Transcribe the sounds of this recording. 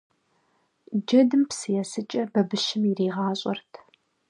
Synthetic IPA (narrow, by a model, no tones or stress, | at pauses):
d͡ʒɐdɨmpsɨjɛsɨt͡ʃʼɐbɐbɨʃɪmiriːʁɑːɕʼɐrtʰ